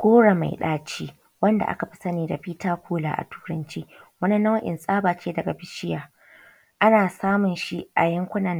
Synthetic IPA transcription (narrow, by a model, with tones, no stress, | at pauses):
ɡ̥ʷoː˦ɽa˨ma̰˨jɗa̰ː˦t͡ʃiː˦ | wɐ˦nda̰˨ʔa̰˦ka˨ɸi̥˦sɐ˦niː˨da̰˨ɸiː˦taː˦kʷoː˦la̰ː˨ʔa̰˨tʰu̥ː˦ɾɐ˦nt͡ʃiː˦wɐ˦ni˦nɐ˦wʔɪ̰˨nsʼaː˦baː˨t͡ʃʲeː˦dɐ˨ɡa˨bɪ˦ʃɪ˦jaː˨ | ʔa˦naː˨saː˦mʊ˨nʃi˦ʔa̰˨jɐ˦ŋkʷʊ˦nɐ˨n